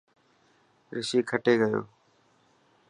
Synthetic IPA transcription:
ɾɪsiːkʰəʈʰeːɡəjo̰ː

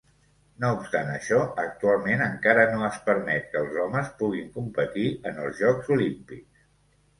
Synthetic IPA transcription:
noupst̪anəʃɔək̚t̪ualˠmenəŋkaɾənoəspəɾmɛt̪̚kəːlˠzɔməspuɣ̞iŋkumpət̪iənəlˠzʒɔkzulimpiks

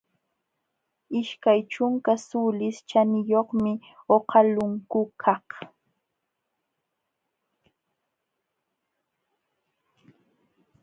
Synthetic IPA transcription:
ɪʃkajt͡ʃʊŋkasulɪst͡ʃanɪjoχmɪoqɑlʊŋkʊkʰɑh

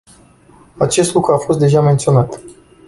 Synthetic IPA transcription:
at͡ʃe̞st̪lukɾuafo̞st̪̚d̪e̞ʒament̪sio̞nat̪

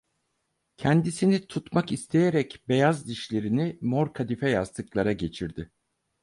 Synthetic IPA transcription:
cʰɛnd̪isinit̪ʰut̪makist̪ʰe̞jeɾɛcbe̞jazd̪iʃlʲe̞ɾinimo̞ɾkʰad̪ifɛjazt̪ʰɯklˠaɾaɟe̞t͡ʃʰiɾd̪ɪ

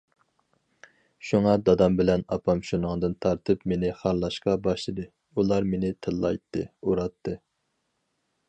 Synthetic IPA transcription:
ʃuŋɑd̪ɑd̪ɑmbɪlɛnɑpʰɑmʃunɨŋd̪ɨnt̪ʰɑɾt̪ʰɨpmenɪχɑɾlˠɑʃqɑbɑʃlˠɨd̪ɨ | ulˠɑɾmenɪt̪ʰɨlˠːɑ̰jt̪ʰːɨ̰uɾɑt̪ʰːɨ

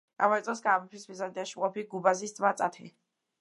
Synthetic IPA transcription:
a̰mɔɾt̪ʼɔsɡaːmɔpʰismizand̪ɛaʃimqʼɔpʰiɡubazist̪sʼmat̪sʼa̰t̪ʰḭ

